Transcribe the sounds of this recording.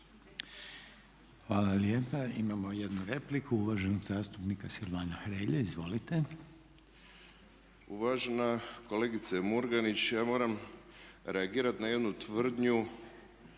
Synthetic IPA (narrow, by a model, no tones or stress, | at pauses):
xʋaːlaljeːpaimamo̞je̞d̪nuɾe̞plikʰuuʋaːʒe̞no̞ɡzaːst̪upnikasilaːnaxɾeːʎeizʋo̞lit̪e̞ | uʋaʒenako̞leːɡit̪semuɾɡanit͡ɕjaːmo̞ːɾam | ɾeaɡiːɾat̪naje̞d̪nut̪ʋr̩d̪ɲu